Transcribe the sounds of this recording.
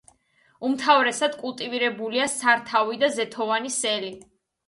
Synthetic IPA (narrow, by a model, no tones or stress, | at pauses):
umt̪ʰavɾɛsad̪̥kʼulˠt̪ʼiviɾɛbuliasaɾt̪ʰavid̪azɛt̪ʰɔvanisɛli